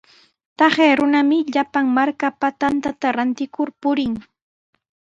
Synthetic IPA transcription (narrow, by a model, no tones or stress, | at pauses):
t̪ɑχeːɾʊnamɪʎapaŋmaɾkapat̪ant̪at̪aɾant̪ɪkʊɾpʊɾɪŋ